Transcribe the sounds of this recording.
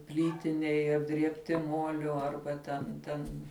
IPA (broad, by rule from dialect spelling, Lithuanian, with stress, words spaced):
ˈpʲlʲiːtʲɪnʲɛɪ ɐbʲdʲrʲiɛpʲˈtʲɪ ˈmuɔlʲʊ ˈɐrbɐ tʲɛn ˈtʲɛn